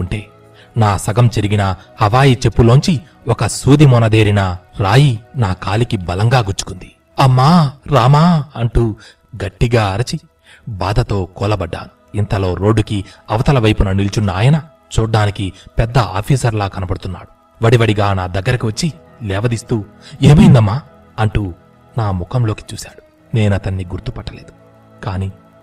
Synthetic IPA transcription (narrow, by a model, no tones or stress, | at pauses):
uɳʈe̞ː | naːsɐɡɐmt͡ʃeɾiɡinɐhɐʋaːjit͡ʃe̞pːuloɲt͡ʃi | ɔkɐsuːd̪imɔnɐd̪e̞ːɾinɐɾaːjinaːkaːlikibɐlɐŋɡaːɡuɾt͡ʃu̥kund̪i̥ | ɐmːaːɾaːmaːɐɳʈu | ɡɐʈːiɡaːɐɾɐt͡ʃi | baːd̪ɐt̪o̞ːkɔːlɐbɐɖːa̰ːn | int̪ɐlo̞ːɾo̞ːɖːukiɐʋɐt̪ɐlɐʋɐjpunɐnilt͡ʃunːaːjɐnɐ | t͡ʃuːɖaːnikipɛd̪ːɐʔa̰ːpʰiːsɐɾlaːkɐnɐbɐɽut̪unːaːɽu | ʋɐɽiʋɐɽiɡaːnaːd̪ɐɡːɐɾɐkiʋɐt͡ʃːi | lɛːʋɐd̪ist̪uː | eːmɐjind̪ɐmːaː | ɐɳʈuː | naːmukɐmlo̞ːki̥t͡ʃuːsaːɽu | ne̞ːnɐt̪ɐnːiɡuɾt̪upɐʈːɐle̞ːd̪u̥ | kaːniː